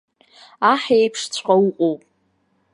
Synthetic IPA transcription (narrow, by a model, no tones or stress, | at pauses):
aħejpʰʂt͡sʷʰʼqʼauqʷʼowpʼ